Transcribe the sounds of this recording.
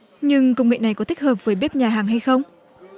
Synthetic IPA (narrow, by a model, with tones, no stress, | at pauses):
ɲɨ˧ŋkə˧wŋ͡mŋḭ˧˨na˨˩jkɔ˨˦t̪i˦˥k̟̚həː˨˩p̚vəː˨˦jɓe˦˥p̚ɲaː˨˩ɦaː˨˩ŋɦa˧jxə˧wŋ͡m